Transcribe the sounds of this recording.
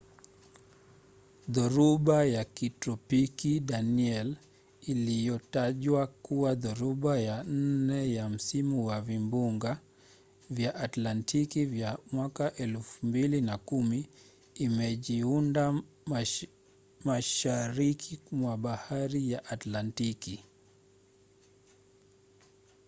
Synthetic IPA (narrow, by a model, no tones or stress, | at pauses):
ðɔɾuɓajakitɾɔpikiɗaniɛl | ilijɔtaʄwakuwaðuɾuɓajan̩nɛjam̩simuwavimbuŋɡa | vjaʔːtlantʰikivjamwakaʔɛlfumbilinakumiː | mɛʄiunda | maʃaɾikʰimwaɓahaɾijaʔatlantiki